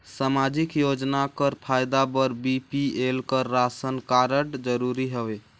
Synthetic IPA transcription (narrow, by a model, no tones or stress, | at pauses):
samad͡ʒikjod͡ʒnakəɾpʰajd̪abəɾbipielkəɾːasənkaɾəʈd͡ʒəɾuɾiɦəbe